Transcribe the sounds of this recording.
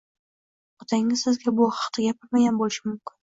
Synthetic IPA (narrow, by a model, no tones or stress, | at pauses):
ʊt̪ʰaŋʲnɪzsɪzɡʲabʊχɑ̥qt̪ʰɪɡʲapʰɪɾmaɡʲanbolɪʃɪmʊmkʲɪ̥n